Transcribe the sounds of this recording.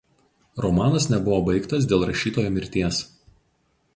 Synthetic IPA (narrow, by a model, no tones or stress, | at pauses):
ɾɔmɑːnɐsnʲɛbʊʋoːbɐɪkt̪ɐs̬d̪ʲeːlˠɾɐʃʲiːt̪oːjoːmʲɪɾʲt̪ʲiɛs